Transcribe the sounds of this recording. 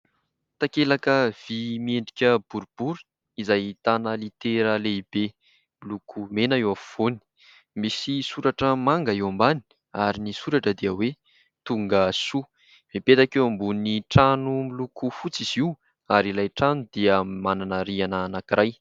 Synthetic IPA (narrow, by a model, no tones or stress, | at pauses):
t̪akelakəv̥imieɳɖ͡ʐikʲəb̥uɾub̥uɾi̥ | izajt̪anəlit̪eɾəleib̥e | milukʰumenaewafv̥oni̥ | misisuɾaʈ͡ʂəmaŋɡaewambani̥ | aɾinisuɾaʈ͡ʂəd̪iəwe | t̪uŋɡəsu | mipet̪akewambuniʈ͡ʂanumilukufut͡siz̥iw | aɾilajʈ͡ʂanud̪̥iəmananaɾianaːnakiɾaj